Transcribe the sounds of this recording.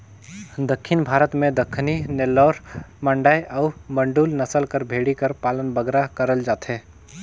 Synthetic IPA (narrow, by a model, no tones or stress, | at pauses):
d̪əkʰːɪnbʱaːɾət̪mẽd̪əkʰːninelɔːɾməɳɖaːjʔɔːbə̃ɳɖuːlnɐsəlkəɾbʱeːɽikəɾpaːlənbəɡɾakəɾəld͡ʒaːt̪ɦɛː